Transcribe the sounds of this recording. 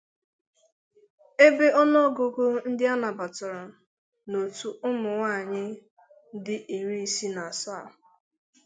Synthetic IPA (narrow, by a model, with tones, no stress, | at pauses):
e˦be˦ʔɔ˦nɔ˦ɡo˦ɡo˦n̩˦dɪ˦a˦na˨ba˨tɔ˨ɾɔ˨ | no˨tu˨ʔʊ˦mʊ˨ŋʷa˦˨ɲɪ˦ | dɪ˦ʔi˨ɾi˦i˦si˦na˨a˨sa˦˨